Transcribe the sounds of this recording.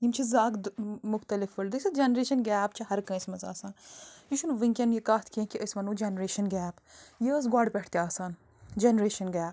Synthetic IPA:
jimt͡ʃʰizaːɡd̪mʊxt̪ɐlɪfɐld̪ɐsɐd͡ʒenɾeːʃɐnɡɛːp̚t͡ʃʰɐɦɐɾkɐ̃ismɐza̰ːsaːnjiʃunʋĩŋkʲɐnjikaːt̪ʰkiẽkiəsmɐnuːd͡ʒenɾeːʃɐnɡɛːpjes̬ɡaːɖpɛːʈʰt̪iaːsaːn | d͡ʒeːnɾeːʃɐnɡɛːp

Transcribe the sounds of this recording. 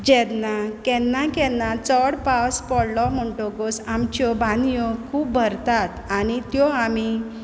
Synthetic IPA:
d͡ʑɛd̪nakɛnːakɛnːat͡sɔɽpaspɔɽlɔm̤əɳʈɔɡɔsamt͡ɕɔbãnjɔkʰuːb̚bʱəɾt̪at̪añit̪jɔami

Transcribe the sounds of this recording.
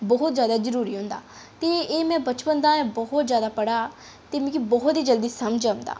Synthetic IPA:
bɔɦʊt̪zjaːd̪aːzəɾuːɾiːɦʊ̃nd̪a̰ː | t̪eːeːmɛ̃ːbət͡ʃpənd̪ãːɛ̃ːbɔɦʊt̪zjaːd̪aːpəɽaː | t̪eːmĩːkibɔɦʊt̪ɦiːd͡ʒəld̪iːsəmd͡ʒɦʊ̃nd̪a̰ː

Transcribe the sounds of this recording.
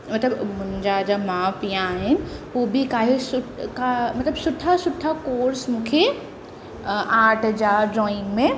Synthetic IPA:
mɐt̪ləbmʊ̃ɦɪ̃ɲd͡ʑad͡ʑaːmaːpijãaːɦɪnɪ̆ɦuːbɪkaːɦesʊkamɐt̪ləbsʊʈʰasʊʈʰːakoːɾsmũːkʰe | aːʈʰd͡ʑaːɖɾɔːɪ̃ŋmẽ

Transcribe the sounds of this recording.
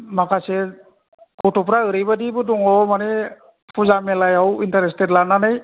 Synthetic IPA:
makasɛ | kɔtɔpɾaɯɾɯjbadibɯdɔŋɔmanɛ | pʰuzamɛlajawintaɾestɛtlananaj

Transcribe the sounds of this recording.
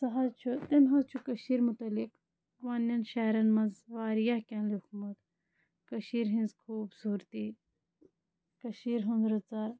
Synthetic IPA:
sɐɦat͡ʃʰut̪ɐmɦɐzt͡ʃʰukɐʃiːɾmut̪ɐlik | ʋanːɐnʃaːɾɐnmɐnzʋaːɾijɐhkʲɐ̃nlikʰmɐt̪ | kɐʃiːɾɦĩnzkʰuːbsuːɾt̪i | kɐʃiːɾɦũnd̪ɾɐt͡saɾ

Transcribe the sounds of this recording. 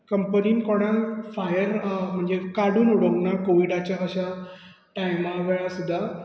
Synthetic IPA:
kəmpəniːnikoɽ̃ãfajəɾm̤ə̃ɳd͡zekaɽuːnuɽəknakoʋiɖat͡ɕaəɕa | ʈaimaʋeɭãsud̪ʱːa

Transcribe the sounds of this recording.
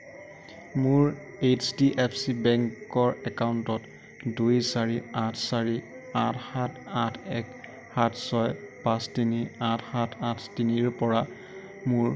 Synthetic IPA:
mʊɹ | et͡ʃdiʔepʰsibɛŋkɔɹɛkawuntɔt | dujsaɹiatʰsaɹi | atʰhatʰatʰɛk | hatʰsɔjpãstiniatʰhatʰatʰtiniɹpɔɹa | muɹ

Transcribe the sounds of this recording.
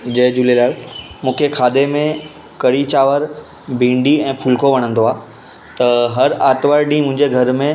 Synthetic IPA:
d͡ʑɐɦɪd͡ʑuːlelaːɪlmũːkʰekʰaːd̪emẽ | kɐɽit͡ɕaːʋəɾ | bʱĩːɳɖiɛ̃ːpʰuːlkʰoʋɐɽ̃ə̃nd̪oaː | t̪ɐɦɐɾaːt̪ʋaːɾɗĩmʊ̃ɦɪ̃ɲd͡ʑeɡʱɐɾmẽ

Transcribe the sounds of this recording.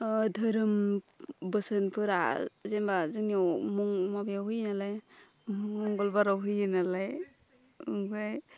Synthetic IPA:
dʱɯɾɯm | bɯsɯnpʰɯɾa̰zembazɯniomɔŋmabeawɦujnalaj | mɔŋɡɔlbaɾawɦɯjɯnalaj | ɯɡaj

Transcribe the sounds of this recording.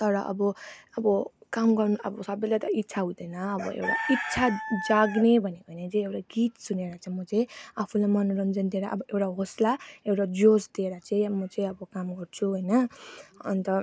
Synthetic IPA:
t̪ʌɾʌʔʌ̰bʌʌbʌkamɡʌrnuʌ̰bʌsʌbʌjlajt̪ʌitːsʰaɦud̪ʌjnʌːbʌ̰ḛwʈa̰itːsʰad͡zaɡnebʱʌnekʌnet͡saĩewʈaɡit̪suneɾʌt͡saĩmʌt͡saĩapʰulamʌnɾʌnd͡zʌnd̪ieɾaʔʌbʌʔewʈaɦoslaewʈad͡zosd̪ieɾʌt͡saĩmʌt͡saĩʌbʌkamɡʌrt͡sʰuɦojnʌʌ̰nt̪ʌ

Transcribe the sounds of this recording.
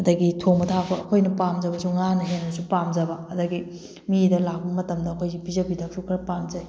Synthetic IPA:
ɐdɐɡitʰomɐtʰapʰɐːkʰojnɐpamzɐbɐsuŋanɐɦenbɐsupamzɐbɐɐdɐɡi | midɐlak̚bɐmɐtɐmdɐːkʰojɡipizɐbidʰak̚sʰukʰɐɾpamzɐj

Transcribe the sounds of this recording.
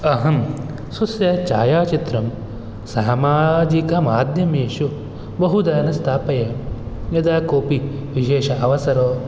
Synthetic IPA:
ɐɦɐm | susjɐt͡ʃaːjaːt͡ʃit̪ɾɐm | saːmaːd͡ʒikɐmaːd̪ʱjɐmeːʃu | bɐɦud̪ɐːnɐst̪ʰaːpɐjɐjɐd̪aːkoːpi | ʋiʃeːʃɐʔɐʋɐsɐɾoː

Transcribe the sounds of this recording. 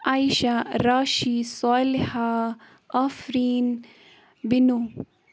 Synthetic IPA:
aːjʃaɾaːʃisaːlha | ɐfɾiːn | binu

